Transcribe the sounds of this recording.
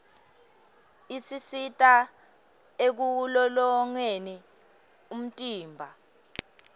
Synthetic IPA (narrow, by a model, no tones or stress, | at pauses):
isisitʼa | ek̬ulɔlɔŋweni | um̩tʼiːmbʱa